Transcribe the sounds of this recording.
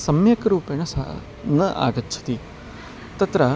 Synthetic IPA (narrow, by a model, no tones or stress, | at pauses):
sɐmjɐkɾuːpenɐsa | nɐʔa̰ːɡɐtːt͡ʃʰɐ̥t̪i | t̪ɐt̪ɾɐ